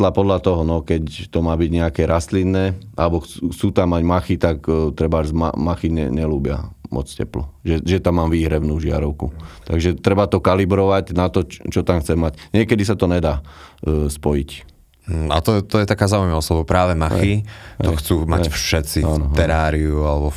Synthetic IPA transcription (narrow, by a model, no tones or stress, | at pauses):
lapɔd̪lat̪ɔɦɔnɔkɛct̪ɔmaːbiɟɲɛakɛɾast̪linːɛːʔalɛbɔxxt͡suːt̪amːaɟmaxit̪akt̪ɾɛbazma̰maxiɲɛ̰ɲɛluːbɪa̰mʔɔ̰t͡scɛ̰plɔʒɛʒɛt̪amːaːmʋiːɦɾɛʊnuːʒɪa̰ɾɔʊkut̪aɡʒɛt̪ɾɛbat̪ɔkalibɾɔʋaɟnat̪ɔt͡ʃɔt̪amxt͡sɛmmacɲɪɛkɛd̪isat̪ɔɲɛd̪aː | spɔjic̩ː | a̰t̪ɔt̪ɔjɛt̪akaːzaːujmaɔslɔbɔpɾaːʋɛmaxiɔxt͡suːma̰fʃɛt̪t͡sianɔt̪ɛɾaːɾiualɛbɔ